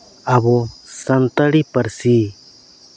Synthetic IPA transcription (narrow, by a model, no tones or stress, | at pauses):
aβɔsənt̪əɽipəɾsi